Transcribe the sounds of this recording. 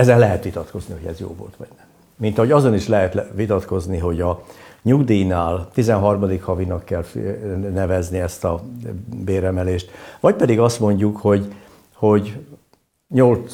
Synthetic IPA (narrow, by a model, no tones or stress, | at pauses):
ɛzɛlːɛɦɛt̪ʋit̪ɒt̪ko̞zniɦo̞ɟɛ̰zjo̰ːvo̰lt̪ʋɒ̰ɟ̥nɛmː | int̪ɒɦo̞ɟɒzo̞niʃlɛɦɛt̪ʋit̪ɒt̪ko̞zniɦo̞ɟɒɲuɡd̪iːjnaːlt̪izɛnɦɒrmɒd̪ikhɒvinɒkːɛlfnɛvɛzniɛst̪ɒbeːɾɛmɛleːʃt̪ʋɒc̚pɛd̪iɡɒst̪mo̞ɲɟukho̞ɟ | ho̞ɟ | ɲol